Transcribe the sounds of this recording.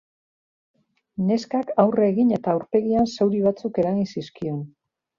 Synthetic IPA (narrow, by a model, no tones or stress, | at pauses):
ne̞skakawreːɣine̞t̪aːuwɾpe̞ɣiansewɾiβ̞at͡suke̞ɾaɣinsiskio̞n